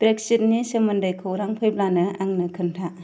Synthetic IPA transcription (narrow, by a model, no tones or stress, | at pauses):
b̥ɾek̚sit̚nisemɯndɯjkʰɯwɾaŋpʰɯjp̚lanɯʔaŋnɯkʰɯntʰa